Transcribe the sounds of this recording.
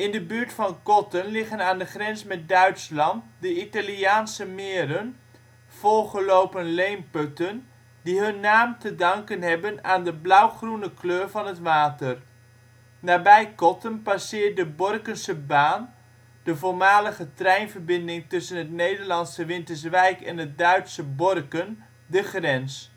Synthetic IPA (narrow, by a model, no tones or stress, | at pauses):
ɪndəbyːɹtfɑnkɔtənlɪχənaːndəχrɛnsmɛt̚dœɥtslɑntdəitaliaːnsəmɪːɾən | v̥ɔlˠχəlowpənlejmpɵtən | diɦɵnːaːmtədɑŋkənɦɛbənaːndəblʌwχrunəkløːɹvɑnɦətʋaːtər | naːbɛjkɔtənpasɪːɹt̚dəbɔrkənsəbaːn | d̥əvoːɹmaːləχətrɛjnvəɹbɪndɪŋtɵsənɦətnejdəɹlɑnsəʋɪntəɹsʋɛjkɛnɦət̚dœɥtsəbɔrkən | dəχrɛns